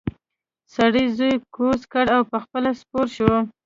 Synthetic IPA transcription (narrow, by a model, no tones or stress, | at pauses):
saɽizojkoskaɽawpəxpəlaspoɾʃwə